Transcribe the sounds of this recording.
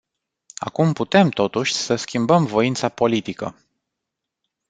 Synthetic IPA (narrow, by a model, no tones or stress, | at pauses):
a̰kumput̪e̞mt̪o̞t̪uʃʲsəskʲimbəmvo̞int̪sapo̞lit̪ikə̰